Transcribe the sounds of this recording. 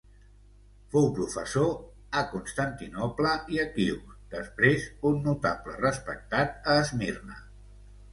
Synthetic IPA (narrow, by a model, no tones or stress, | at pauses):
fowpɾufəso | əkunst̪ant̪inɔpləiəkiwd̪̥əspɾezunːut̪aplə̰rəspək̚t̪at̪̚əːzmirnə̰